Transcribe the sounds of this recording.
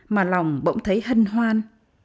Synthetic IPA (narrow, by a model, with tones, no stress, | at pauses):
maː˨˩la˨˩wŋ͡mɓə̰˧˥wŋ͡mt̪ʰə˨˦jɦï˧ŋ̟ɦwaː˧n